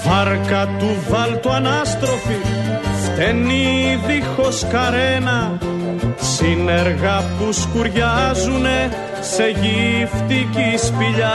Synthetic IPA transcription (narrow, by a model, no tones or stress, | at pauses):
vɐɾkɐt̪uvɐlt̪uɐnɐst̪ɾo̞fift̪eniðixo̞skɐɾenɐ | sine̞ɾɣɐpuskuɾʝɐzune̞ | se̞ʝift̪icispiʎɐ